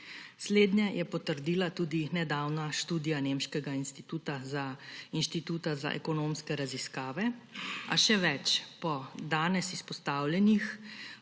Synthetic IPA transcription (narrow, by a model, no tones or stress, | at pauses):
sleːd̪njɛjʔɛpɔt̪əɾd̪iːlat̪uːd̪inɛd̪awnaʃt̪uːd̪ijanemʃkɛɡainst̪it̪uːt̪azainʃt̪it̪uːt̪aza̰ʔɛ̰kɔnomskɛɾaziskaːʋɛa̰ʃɛʋɛt͡ʃpɔd̪aːnɛsispɔst̪aːwlɛnix